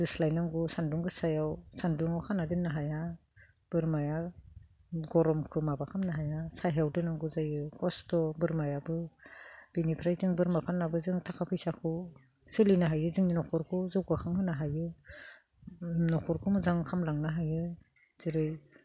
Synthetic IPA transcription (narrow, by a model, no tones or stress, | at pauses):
dislajnaŋɡusanduŋɡɯsajawsanduŋawkʰanadinnːaɦaja | b̥ɯɾmaja | ɡɔɾɔmkʰɯmabakʰamnaɦajasajɦawdɯnaŋɡuzajɯkʰɔstɔbɯɾmajabɯ | b̥inipʰɾajzɯŋbɯɾmapʰanːabɯzɯŋtʰakʰapʰɯjsakʰɯ | sɯlinaɦajɯzɯŋninɔkʰɔɾkʰuzɯwɡakʰaŋhɯnaɦajɯ | nɔkʰɔɾkʰumɯzaŋkʰamlaŋnaɦajɯ | z̥iɾɯj